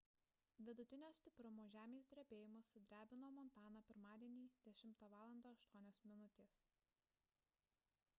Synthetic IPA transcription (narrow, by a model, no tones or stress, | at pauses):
ʋʲɪd̪ʊt̪ʲɪnʲoːsʲt̪ʲɪpɾʊmoːʒʲæːmʲeːs̬d̪ʲɾʲɛbʲeːjɪmʊsʊd̪ʲɾʲæːbʲɪnoːmɔnˑt̪ɑːnɑpʲɪɾmɑːd̪ʲiɛnʲiːd̪ʲɛʃʲɪmt̪ɐʋɑːlˠɐnd̪ɐɐʃt̪uɔnʲoːsmʲɪnʊt̪ʲeːs